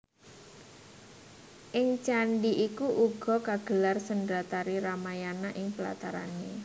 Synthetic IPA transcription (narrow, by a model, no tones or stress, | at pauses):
ʔɪŋt͡ʃaɳɖiʔikuʔuɡ̥ɔ̤kaɡ̥əlarsəndɾat̪aɾiɾamajanaʔɪŋpəla̰t̪aɾa̰ne